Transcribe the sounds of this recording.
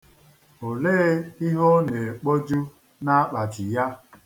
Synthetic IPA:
o˨leː˦i˦ɦo˦ne˨k͡po˦d͡ʒu˦ | na˦a˦k͡pa˨d͡ʒi˨ja˦

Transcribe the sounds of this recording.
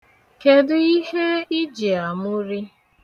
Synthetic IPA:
ke˨dʊ˦i˦ɦe˦i˦d͡ʒi˨a˨mʊ˦ɾi˦

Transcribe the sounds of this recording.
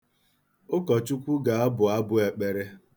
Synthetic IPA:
ʊ˦kɔ˨t͡ʃu˦kʷu˦ɡa˨a˦bʊ˨a˦bʊ˦e˨k͡pe˨ɾe˦

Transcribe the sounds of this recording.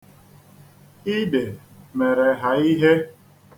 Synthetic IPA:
i˦de˨me˨ɾe˨ɦa˨i˦ɦe˦

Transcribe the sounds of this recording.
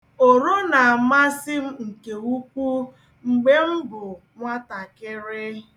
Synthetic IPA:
o˨ɾo˦na˨a˨ma˦sɪ˦m̩˦ŋ̩˨ke˨u˦ku˦ | ŋ͡m̩˨ɡ͡be˦m̩˦bʊ˨ | ŋʷa˦ta˨kɪ˦ɾɪ˦

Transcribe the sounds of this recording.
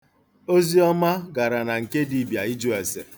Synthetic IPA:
o˦zi˦ɔ˦ma˦ɡa˨ɾa˨na˨ŋ̩˨ke˦di˦bja˨i˦d͡ʒu˦e˨sḛ˨

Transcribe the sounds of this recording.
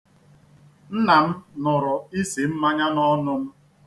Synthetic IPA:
n̩˦na˨m̩˦nɔ˨ɾɔ˨i˦se˨m̩˦ma˦ɲa˦nɔ˦nʊ˦m̩˦

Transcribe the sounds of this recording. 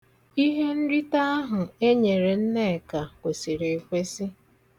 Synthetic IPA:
i˦ɦe˦n̩˦ɾi˦ta˦a˦ɦʊ˨e˦ɲe˨ɾe˨n̩˦ne˦˨ka˨kʷe˨si˨ɾe˨e˨kʷe˦sɪ˦

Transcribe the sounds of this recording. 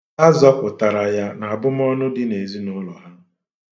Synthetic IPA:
a˦zɔ˦pʊ˨ta˨ɾa˨ja˦na˨a˨bʊ˦m˦ɔ˦nʊ˦dɪ˦ne˨zi˦nʊ˦lɔ˨ɦa˦

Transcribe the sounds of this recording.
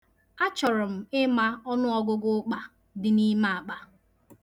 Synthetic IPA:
a˦t͡ʃɔ˨ɾʊ˨m̩˨ɪ˦ma˦ɔ˦nʊ˦ɔ˦ɡʊ˦ɡʊ˦k͡pa˨ | dɪ˨ni˦ma˦˨a˨k͡pa˨

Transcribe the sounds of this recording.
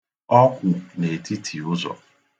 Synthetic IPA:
ɔ˦kʷʊ˨ne˨ti˦tʰi˨ʊ˦zɔ̰˨

